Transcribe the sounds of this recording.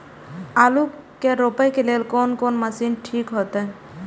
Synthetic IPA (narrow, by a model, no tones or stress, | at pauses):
aːlu | keɾopəjkeleːlkoːnkoːnməsinʈʰikɦoːt̪e